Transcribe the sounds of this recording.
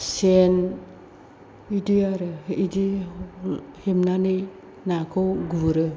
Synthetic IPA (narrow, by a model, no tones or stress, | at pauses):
sen | idiaɾɯidi | hemnani | nakʰɔwɡuɾɯ